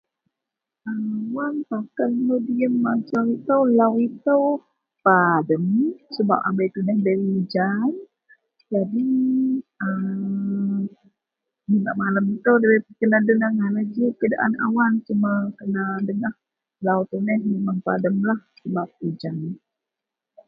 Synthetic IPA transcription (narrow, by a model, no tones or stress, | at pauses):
awanpakannudiəmːat͡ʃawit̪əwlawit̪əw | padəmsəba̰p̚a̰mbəjt̪unɛhdəwid͡ʒan | d͡ʒadi | ə | minaʔmaləmit̪əwdawəkənadənahŋanad͡ʒəkadaʔa̰na̰want͡ʃumakənadənah | lawt̪unɛhmimaŋpa̰dəmlahsəbap̚id͡ʒan